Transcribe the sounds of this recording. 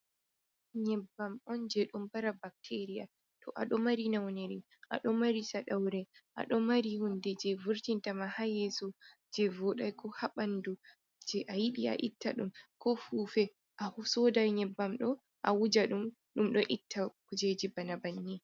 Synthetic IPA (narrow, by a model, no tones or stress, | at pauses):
ɲɛbːamɔnd͡ʒɛɗumbaɾabak̚tʰeɾija̰ | tɔʔaɗɔmaɾinawneɾi | ʔa̰ɗɔmaɾisaɗawɾɛʔa̰ɗɔmaɾihundɛd͡ʒɛvuɾtintamahajɛsu | d͡ʒɛvuɗajkʰɔhaɓandu | d͡ʒɛʔajiɗia̰ʔitːa̰ɗumkɔfuːfɛ | ʔahusɔdajɲɛbːamɗɔ | ʔawud͡ʒaɗum | ɗumɗɔʔitʰːakud͡ʒed͡ʒibanabanːi